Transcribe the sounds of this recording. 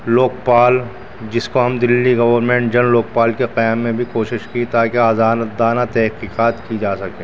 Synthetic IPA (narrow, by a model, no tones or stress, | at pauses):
loːk̚paːl | d͡ʒɪskoɦɐmd̪ɪlːiɡɐʋəɾmẽːɳʈ̚d͡ʒɐnloːk̚paːlkeqɐjaːmːẽbʱikoːʃɪʃkit̪aːkeaːzaːnd̪aːnat̪ɛɦqiːqaːt̪kid͡ʒaːsɐkẽː